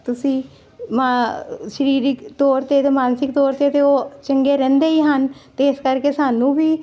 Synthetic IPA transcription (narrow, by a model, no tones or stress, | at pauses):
t̪ʊsĩː | maʃəɾiːɾɪkt̪oːɾt̪eːt̪eːmaːnsɪk̚t̪oːɾt̪eːt̪eːoːt͡ʃəŋɡeːɾɛ̃ːnd̪eːiːɦənt̪eːɪskəɾkeːsaːnũːbʱiː